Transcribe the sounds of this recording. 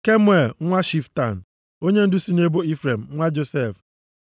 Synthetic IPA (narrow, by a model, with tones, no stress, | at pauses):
ke˦m˦e˦˨lŋʷa˦ʃi˨fta˨n̩˨ | o˦ɲe˦n̩˦dʊ˦si˦ne˦bo˦i˦fɾe˨m̩˨ŋʷa˦d͡ʒo˨se˦˨f